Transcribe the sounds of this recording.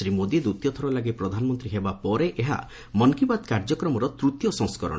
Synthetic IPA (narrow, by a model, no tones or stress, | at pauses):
ɾimod̪id̪ut̪jɔt̪ʰɔɾɔlaɡepɾɔd̪ʱanɔmɔnt̪ɾiɦebapɔɾeʔeɦa̰ | mɔnkibad̪kaɾd͡ʒɔkɾɔmɔɾɔt̪ɾut̪jɔsɔ̃ŋskɔɾɔ̰̃